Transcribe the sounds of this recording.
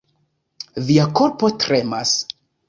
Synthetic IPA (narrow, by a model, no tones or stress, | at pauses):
viako̞ɾpo̞tɾe̞mas